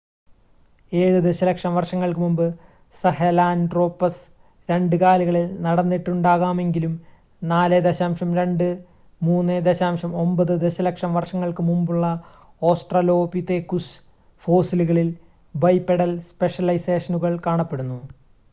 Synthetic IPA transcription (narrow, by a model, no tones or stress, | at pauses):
e̞ːɻud̪eɕɐlɐkʂɐmʋɐrʂɐŋːɐɭkɨmumbɨ | sɐhelaːnɖro̞ːpːɐs | ɾe̞ɳɖɨkaːliɣɐɭilnɐɽɐnːiʈːuɳɖaːɣaːme̞ŋɡilum | naːled̪eɕaːmʂɐmɾe̞ɳɖɨ | muːnːed̪eɕaːmʂɐmo̞mbɐðɨd̪eɕɐlɐkʂɐmʋɐrʂɐŋːɐɭkɨmumbuɭːɐ | o̞ːsʈrɐlo̞ːpit̪ːekːus | fo̞ːsiluɣɐɭil | bɐjpːeɽɐlspe̞ʂɐlɐjseːʂɐnuɣɐɭkaːɳɐpːe̞ɽunːu